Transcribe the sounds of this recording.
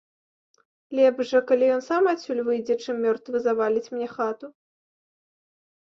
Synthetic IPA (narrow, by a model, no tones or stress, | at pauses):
lʲɛbʐɐkalʲijɔnsamasʲulʲvɨjd͡zʲɛt͡ʂɨmːʲɔrt̪vɨzavalʲit͡sʲmʲnʲɛxat̪u